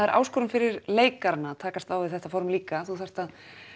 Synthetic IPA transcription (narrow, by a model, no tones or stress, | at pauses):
aɛɾʔa̰ːwskɔɾʏmfɪɾɪɾleːjkaɾnat̪ʰaːkast̪awvɪðθɛht̪afɔɾmliːkaθuθajr̥t̪að